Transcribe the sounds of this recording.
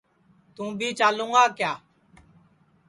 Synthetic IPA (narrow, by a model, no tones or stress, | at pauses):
t̪ũːbʱiːt͡ʃaːlũːɡaːkjaː